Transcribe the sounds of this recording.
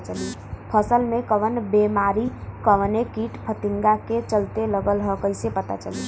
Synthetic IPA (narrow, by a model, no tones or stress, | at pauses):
t͡ʃəli | pʰəsəlmekəʋənbemaɾikəʋənekiʈpʰət̪iŋɡaket͡ʃəlt̪eləɡəlɦəkəjsepət̪a̰t͡ʃə̰li